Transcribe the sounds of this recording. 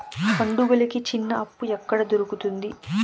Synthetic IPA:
pɐɳɖuɡɐlikit͡ʃinːɐɐpːuɛkːɐɽɐd̪oɾukut̪und̪i

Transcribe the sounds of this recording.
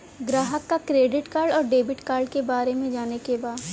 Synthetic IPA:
ɡɾaːɦəkːakɾeːɖɪʈkaːɾɖɔːɾɖeːbɪʈkaːɾɖkebaːɾemẽd͡ʒaːnekebaːd̪

